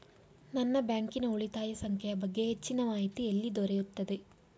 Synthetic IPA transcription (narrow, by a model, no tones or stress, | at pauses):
nɐnːɐbjaːŋkinɐuɭit̪aːjɐsɐŋkʰɐjɐbɐɡːeːt͡ʃːinɐʋaːjit̪ːɯelːid̪ɔɾɛjut̪ːɐd̪ɯ